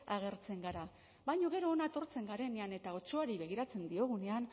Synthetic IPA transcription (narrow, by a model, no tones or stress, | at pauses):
aɣ̞e̞ɾt͡se̞ŋɡaɾa | bajɲo̞ɣe̞ɾo̞ːnat̪o̞ɾt͡se̞ŋɡaɾe̞ne̞ane̞t̪ao̞t͡ʃo̞aɾiβe̞ɣ̞iɾat͡se̞nd̪io̞ɣ̞une̞an